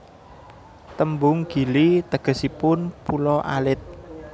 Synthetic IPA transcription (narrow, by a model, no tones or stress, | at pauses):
t̪əmbʊŋɡ̥i̤lit̪əɡ̥ə̤sipʊnpulɔʔa̰lɪt̪̚